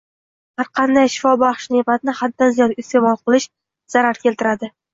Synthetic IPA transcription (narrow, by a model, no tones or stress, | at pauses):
haɾqʰɑnd̪ajʃɪ̥fɒbɑχʃnebat̪̚ɪnɪhad̪ːanzijɒd̪ɪst̪ʰe̞mɒlˠqʰɨlˠɪʃ | z̥aɾaɾkʲʰe̞lt̪ʰɪɾad̪ɪ